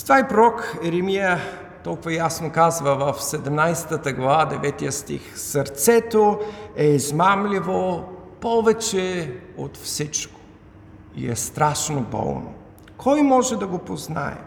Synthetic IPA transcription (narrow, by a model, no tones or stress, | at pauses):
st̪vaipɾoɾɔkɛɾɛmijə | t̪ɔlˠkʊvəjasnokazvəvɐfsɛd̪ɛmnajsɛ̥t̪ət̪əɡlˠɐvad̪ɛvɛt̪ijəst̪ḭxsəɾt̪sɛt̪oɛizmamlʲivopɔvɛt͡ʃɛot̪fsit͡ʃko̥ | ḭɛ̰st̪ɾaʃnobɔ̰lˠno̰ | kʰɔjmɔʒɛd̪ɐɡopozna̰ɛ̰